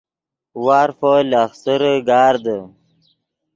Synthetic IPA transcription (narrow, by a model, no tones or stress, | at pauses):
waːɾfolaxsəɾəɡaːɾd̪ə